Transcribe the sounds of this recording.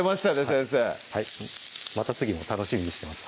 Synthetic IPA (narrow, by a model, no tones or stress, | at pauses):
emaɕi̥t̪ad̪esɨd̪esehaimat̪at͡sɨɡʲimo̞t̪ano̞ɕimʲiɲ̟iɕi̥t̪e̞masɨ̥